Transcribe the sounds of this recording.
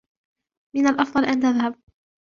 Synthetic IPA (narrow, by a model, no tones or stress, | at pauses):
mɪnalʔɑfd̪ˤɑlʔant̪aðhab̚